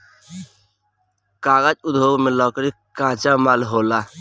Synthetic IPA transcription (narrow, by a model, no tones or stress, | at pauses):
kaːɡad͡ʒud̪ʱoːɡmelɔːkɾikãːt͡ʃamalɦoːla